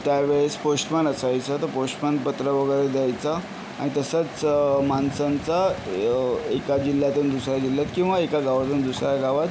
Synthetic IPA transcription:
t̪jaʋeɭesposʈmanəsajt͡sat̪əɾposʈmanpət̪ɾəʋəɡəjɾed̪jajt͡sa | a̰ɽ̃it̪əsat͡smansənt͡sa | ekad͡ʑilːjat̪uːnd̪usɾjad͡ʑiljat̪kĩw̃ʋaekaɡaʋat̪uːnd̪usɾjaɡaʋat̪

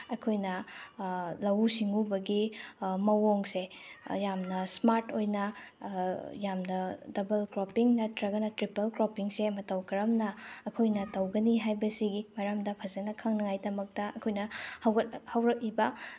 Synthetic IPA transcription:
ɐkʰojnɐ | lɐwusiŋubɐɡimɐwoŋsejamnɐsmaɾtojnɐ | jamnɐdɐbɐlkɾopiŋnɐtɾɐɡɐnɐtɾipɐlkɾopiŋsemɐtɐwkɐɾɐmnɐːkʰojnɐtɐwɡɐniɦajbɐsiɡimɐɾamdɐpʰɐzɐnɐkʰɐŋnɐŋajdɐmɐk̚tɐɐkʰojnɐhɐwhɐwɾɐk̚libɐ

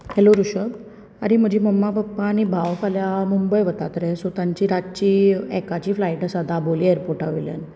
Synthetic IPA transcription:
heloɾuɕəb | a̰ɾim̤əd͡ʑʱiːməmːapəpːanibʱaʋkʰaljamumbəjʋət̪at̪ɾɛsot̪aɲt͡ɕiɾad͡ʑt͡ɕiːɛkat͡ɕiːflaiʈasad̪ʱaboliːeɾpoɾʈaʋilja̰n

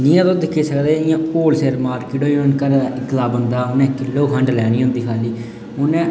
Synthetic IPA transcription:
nĩːãːt̪õːd̪ɪkʰːeːsəkd̪eːɪjãːpoːlseːɾmaːɾkɪːʈɦoːiʊnkəɾɪt̪laːbənd̪aːʊnɛ̃ːkɪlːouːɦʰəɳɖlɛːñiːʊ̃ːnd̪iːkʰaːliː | ʊnɛ̃ː

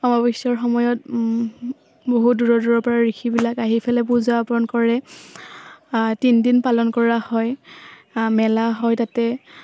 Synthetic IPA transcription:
ɔmabisɔɹxɔmɔjɔt̚ | boɦuduɹɔduɹɔɹpɔɹaɹikʰibilakaɦipʰɛlɛpuzapɔnkɔɹɛ | tindinpalɔnkɔɹahɔj | mɛlaɦɔjtatɛ

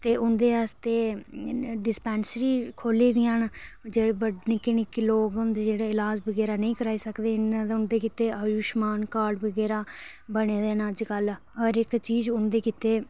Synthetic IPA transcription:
t̪eːʔʊnd̪eːaːst̪eː | ɖɪspɛ̃ːnsɾiːkʰoːliːd̪ɪãːnd͡ʒeːɽːbəɖnĩːkɪnɪkɪloːɡənd̪d͡ʒeːɽaːɪlaːd͡ʒbəɡɛːɾaːnəĩːkəɾaːiːsəkd̪eːɪnãd̪ʊnd̪eːkit̪eːaːjʊʃmaːnkaːɖbəɡɛːɾaː | bəɽ̃eːd̪eːnaːd͡ʒkəl | ɔːɾɪkt͡ʃiːd͡ʒʊnd̪eːkɪt̪eː

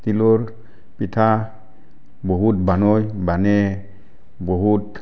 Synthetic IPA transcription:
t̪iloɾ | pitʰa | boɦut̚banɔjbanɛ | boɦut

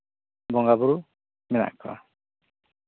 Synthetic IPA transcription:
bɔŋɡabuɾu | mɛna̰ʔkʰa̰

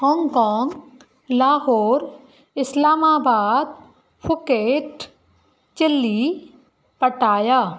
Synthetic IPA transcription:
hɔ̃ːŋɡkɔːŋɡ | laːɦoːɾ | ɪslaːmaːbaːd̪̚ | pʰʊkeːʈ | t͡ʃɪlːi | pəʈaːjaː

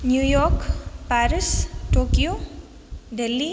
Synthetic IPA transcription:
njujɔkpaɾisʈokijo | ɖelːi

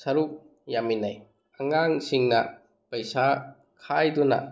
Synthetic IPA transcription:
sɐɾuk̚ | jaminaj | ɐŋaŋsiŋnɐ | pɐjsa | kʰajdunɐ̰

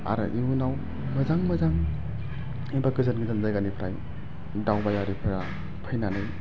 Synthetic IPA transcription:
a̰ɾa̰ʔiunaw | mɯzaŋmɯzaŋ | ibakɯzɯnɡizanzajɡanipʰɾaj | dawbajaɾipʰeɾa | pʰajnanɯj

